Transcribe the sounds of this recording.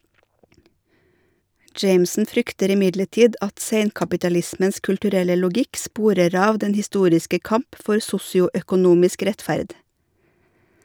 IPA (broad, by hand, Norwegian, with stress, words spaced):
ˈd͡ʒeɪmsn̩ ˈfɾʏktəɾ ɪˈmɪdləˌʈiːd ˈɑt ˈseɪnkɑpɪtɑˌlɪsməns kʉlʈʉˈɾɛlə lʊˈɡɪk ˈspuːɾəɾ ˈɑːʋ ˈdɛn hɪˈstuːɾɪskə ˈkɑmp ˈfɔɾ ˈsʊsɪʊœkʊˌnuːmɪsk ˈɾɛtfæɾd